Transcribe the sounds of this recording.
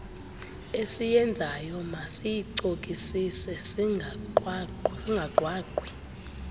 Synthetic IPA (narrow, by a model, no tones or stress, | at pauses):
esijɛnd͡zʱajɔmasijiǀokʼisisɛsi | siŋɡʱaǃʱwaːkwi